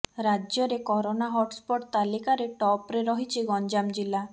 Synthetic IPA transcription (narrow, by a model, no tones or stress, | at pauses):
ɾad͡ʒjɔɾekɔɾonaɦɔʈspɔʈt̪alikaɾeʈɔpɾeɾɔɦit͡ʃʰiɡɔnd͡ʒamd͡ʒila